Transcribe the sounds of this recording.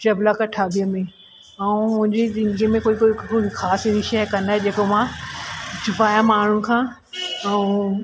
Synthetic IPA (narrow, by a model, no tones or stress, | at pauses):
t͡ɕɐblakɐʈʰaːbiəmẽ | ɛũmʊ̃ɦɪ̃ɲd͡ʑezɪnɡimẽkoːikːikoːixaːsɾiʃɛɦkɐ̃nd̪aːɦed͡ʑeːkomãː | t͡ɕʊpaːjãmaːɳ̤ʊnɪ̆kʰãː | ɛũ